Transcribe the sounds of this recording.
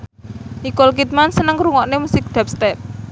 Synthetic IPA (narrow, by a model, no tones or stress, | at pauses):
ikɔlk̬it̪̚mansənəŋɾuŋɔʔnemusɪk̚d̪̥a̤p̚st̪ɛp̚